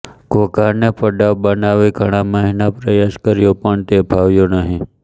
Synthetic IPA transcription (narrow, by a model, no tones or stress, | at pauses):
kokaɾnepəɖaʋbənaʋiɡʱəɽ̃aməɦinapɾəjaskəɾjopəɳt̪ebʱaʋjonəɦĩ